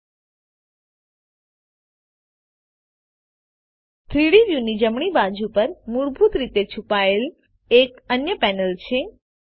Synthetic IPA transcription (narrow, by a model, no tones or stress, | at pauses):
t̪ʰɾiɽiʋjunid͡ʒəmɳibad͡ʒupəɾmuɾbʱut̪ɾit̪et͡ʃʰupael | ekənjəpɛnəlt͡ʃʰe